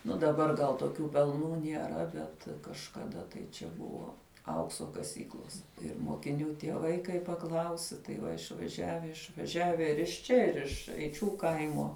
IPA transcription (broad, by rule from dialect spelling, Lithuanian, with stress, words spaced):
nʊ dɐˈbɐr ɡɐlˠ toːˈkʲuː pʲɛlˠˈnuː nʲiɛˈrɐ ˈbʲɛt kɐʃkɐˈdɐ tɐɪ t͡ʃʲɛ ˈbʊʋoː ˈɐʊksoː kɐˈsʲiːklˠoːs ɪr moːkʲɪˈnʲuː tʲiɛˈʋɐɪ kɐɪ pɐˈklˠɐʊsʲɪ tɐɪ ˈʋɐ ɪʃʋɐˈʒʲæːʋʲɛ ɪʃʋɐˈʒʲæːʋʲɛ ɪr ɪʃ ˈt͡ʃʲɛ ˈɪr ɪʃ ɛɪˈt͡ʃʲuː ˈkɐɪmoː